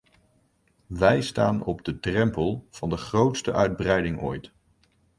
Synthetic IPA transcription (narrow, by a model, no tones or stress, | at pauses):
ʋɛjstaːnɔbdədrɛmpəlˠv̥ɑndəχrowtstəʔœɥd̚brɛjdɪŋo̰jt